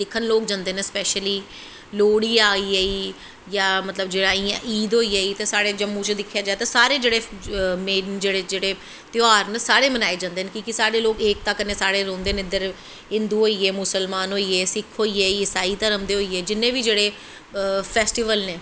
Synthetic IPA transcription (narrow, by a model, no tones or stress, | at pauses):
d̪ɪkʰːənloːk̚d͡ʒãːnd̪eːnẽːspɛːʃəliː | loːɽiːaːiːeiː | jaːmət̪ləbd͡ʒeːɽaːĩːʔiːd̪ɦoːiːaːiːt̪eːsaːɽeːd͡ʒəmːũːt͡ʃd̪ɪkʰːjaːd͡ʒaːet̪aːsaːɾeːd͡ʒeːɽeːmeːnd͡ʒeːɽeːd͡ʒeːɽeː | t̪joaːɾnəsaːɾeːmənaːeːd͡ʒãːnd̪eːnekikɪsaːɽeːloːkeːk̚t̪ãːkənːẽːsaːɽeːɾõːnd̪eːnːɪd̪əɾ | ɪ̃nd̪uːɦoːiːeːmʊsəlmaːnɦoːiːeːsɪkʰɦoːiːeːiːɪsaːiːt̪aɾəmd̪eːɦoːiːeːd͡ʒɪnːẽːʋiːd͡ʒeːɽeː | pʰɛːsʈiːʋəlneː